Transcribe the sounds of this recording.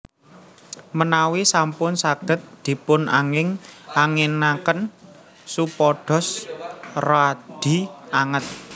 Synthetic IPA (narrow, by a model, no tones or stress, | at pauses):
mənawisampʊnsaɡ̥ə̤t̪̚d̪̥i̤pʊnʔa̰ŋɪŋʔaŋenakən | supɔɖ̥ɔ̤s | rad̪̥i̤aŋət̪̚